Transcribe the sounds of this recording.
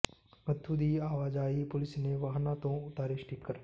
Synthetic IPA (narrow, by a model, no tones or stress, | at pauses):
mət̪ʰːuːd̪iːaːʋaːd͡ʒaːipʊlɪsneːʋaːɦnãːt̪õːʊt̪aːɾeʃʈɪkːəɾ